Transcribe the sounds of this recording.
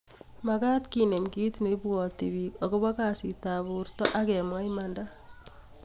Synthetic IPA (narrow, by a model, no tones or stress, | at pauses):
makatkinemkitnebuɔtiβikokoβakaːsitaːβurtɔʔakɛmwajmanda